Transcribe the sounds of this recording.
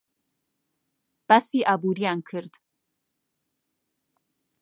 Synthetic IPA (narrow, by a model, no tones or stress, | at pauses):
b̥asiʔabuɾijankʰɨɾd̪